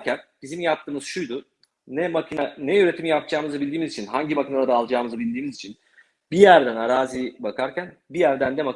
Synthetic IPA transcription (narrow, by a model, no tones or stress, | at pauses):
cʰænb̥izimjap̚t̪ʰɯːmɯz̥ʃujd̪ʊː | ɛmakʰinanɛøɾe̞t̪ʰimjap̚d͡ʒaːmɯzɯbilʲd̪iːmizit͡ʃʰinɦaɲɟimacinalˠad̪alˠd͡ʒaːmɯzɯbilʲd̪iːmizit͡ʃʰin | bijæɾd̪ænaɾaːzibakʰaɾcʰænbijæɾd̪ænd̪ɛma